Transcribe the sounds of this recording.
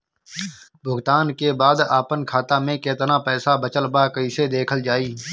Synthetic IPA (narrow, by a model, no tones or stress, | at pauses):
bʱʊɡt̪aːnkeːbaːd̪aːpənkʰaːt̪aːmẽːkeːt̪nãːpɛːsaːbət͡ʃəlbaːkəiːsed̪eːkʰəld͡ʒaːiː